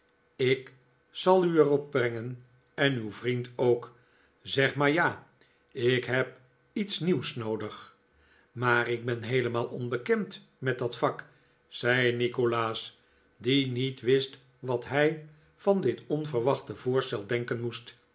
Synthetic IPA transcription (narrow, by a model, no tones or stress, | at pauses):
ɪk | sɑlˠyɛrɔb̚brɛŋən | ɛnywvrintowk | zɛχmaːɹjaː | ɪkɦɛp | itsniwsnowdəχ | maːrɪɡ̚bɛnɦejləmaːlˠʔɔnbəkɛmt | mɛt̚dɑtfɑk | z̥ɛjnikolaːs | dinitʋɪst | ʋɑtɦɛj | fɑndɪtɔnvəɹʋɑχtəvʊːɹstɛlˠdɛŋkənmust